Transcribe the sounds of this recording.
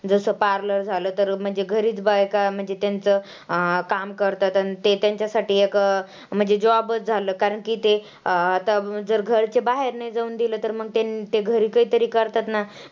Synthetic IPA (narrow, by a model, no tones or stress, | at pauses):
d͡zəsəpaɾləɾd͡zʱaləːt̪əɾm̤əɳd͡zeɡʱəɾiːt͡sbaekam̤əɳd͡zet̪jant͡sə | kamkəɾt̪at̪anit̪et̪jaɲt͡ɕasaʈiːek | m̤əɳd͡zed͡ʑoʋabət͡sd͡zʱaləːkaɾəɳkiːt̪e | at̪ad͡zəɾɡʱəɾt͡sebaɦeɾnaid͡zauːnd̪ilət̪əɾməɡ̚t̪anit̪eɡʱəɾiːkəɦit̪əɾiːkəɾt̪at̪na